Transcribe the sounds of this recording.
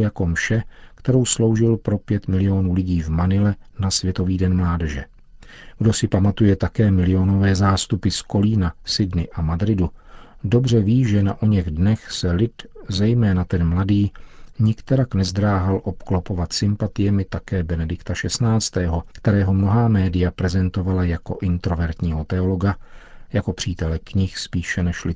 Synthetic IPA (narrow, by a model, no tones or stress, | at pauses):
jako̞mʃɛkt̪ɛɾo̞wslo̞wʒɪlpɾo̞pjɛt̪mɪlɪo̞nuːlɪɟiːvmanɪlɛnasvjɛt̪o̞viːdɛnmlaːdɛʒɛ̰ | ɡdo̞sɪpamat̪ujɛt̪akɛːmɪlɪo̞no̞vɛːzaːst̪upɪsko̞liːnasɪdnɪʔamadɾɪdudo̞br̝ɛviːʒɛna̰ʔoɲɛɣdnɛxsɛlɪt̪zɛjmɛːnat̪ɛnmladiːɲɪkt̪ɛɾaknɛzd̪ɾaːɦalʔo̞pklopo̞vat̪sɪmpat̪ɪjɛmɪt̪akɛːbɛnɛdɪkt̪aʃɛsnaːt͡st̪ɛːɦo̞kt̪ɛɾɛːɦo̞mno̞ɦaːmɛːdɪjapɾɛzɛnt̪o̞valajako̞̰ʔɪnt̪ɾo̞vɛɾt̪ɲiːɦo̞t̪ɛo̞lo̞ɡajako̞pr̥iːt̪ɛlɛkɲɪxspiːʃɛnɛʃlɪ